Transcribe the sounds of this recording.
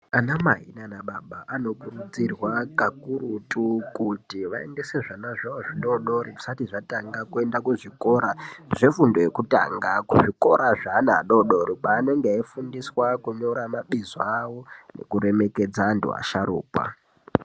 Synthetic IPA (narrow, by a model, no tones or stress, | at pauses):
anamaɦḭnanaɓaɓaʔano̞kurud͡zirwakakuɾutukutiʋae̞̰nde̞se̞ʐanaʐaoʐiɗo̞ɗoɾii̥satiʐataŋɡakue̞ndakuʐiko̞ɾaʐefundo̞jekuta̰ːŋɡakuʐiko̞ɾaʐaːnaɗo̞ɗo̞ɾipaːne̞ŋɡeifundiswakuɲo̞ɾamaɓizawone̞̰kuɾe̞me̞ke̞d͡zaːntṵa̰ʃaɾṵːkwa̰